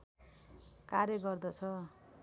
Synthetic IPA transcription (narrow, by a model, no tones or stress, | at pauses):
karjʌɡʌrd̪ʌt͡sʰʌ